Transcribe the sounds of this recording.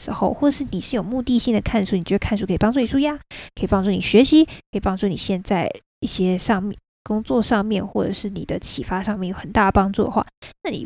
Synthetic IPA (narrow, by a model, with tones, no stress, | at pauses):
ɻ̩˧˥xo˥˧ʊxwɔ˥˩ʈ͡ʂə˨˩ʂɻ̩˥˩ni˨˩ʂɻ̩˥˩jo˨˩ʊmu˥˧t̪i˥˧ɕi˥˩ŋd̪ə˩kʰa˥˩nʂu˥˩ni˨˩t͡ɕ̪kʰa˥˧nʂ̬u˥˩kʰi˨˩pɑ˥ʈ͡ʂu˥˩ni˨˩ʂu˥˩ja˥kʰə˧˥i˨˩pɑ˥ŋʈ͡ʂu˥˩ni˨˩ɕɥɛ˧˥ɕi˧˥kʰə˧˥i˨˩pɑ˥ŋʈ͡ʂu˥˩nḭ˨˩ɕjɛ˥˧nt͡sa˥˧ɪ | i˥˩ɕjɛ˥ʂɑ˥˧ŋm˨ | kʊ˥ŋt͡swɔ˥˧ʂɑ˥˧ŋmjɛ˥˧nxwɔ˥˩ʈ͡ʂɤ̰˨˩ʂɻ̩˥˩nḭ˨˩d̪ə˦t͡ɕʰi˨˩fa˥ʂɑ˥˧ŋmjɛ˥˩njo˨˩ʊxə˨˩nt̪a˥˩d̪ə˩pɑ˥ŋʈ͡ʂu˥˩d̪ə̰˨˩xwa̰˥˩na˥˩nḭ˨˩